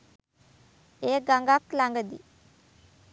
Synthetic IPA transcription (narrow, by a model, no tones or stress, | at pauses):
eːɡaŋɡaklaŋɡəd̪ḭ